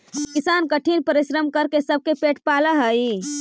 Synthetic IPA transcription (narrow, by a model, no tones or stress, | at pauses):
kisankəʈʰinpəɾiʃɾəmkəɾkesəb̚ʱkepeʈpaləɦəji